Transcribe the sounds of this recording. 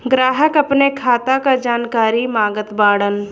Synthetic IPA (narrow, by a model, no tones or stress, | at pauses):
ɡɾaːɦəkɐpnekʰaːt̪akad͡ʒaːnkaːɾimaːɡət̪baːɽən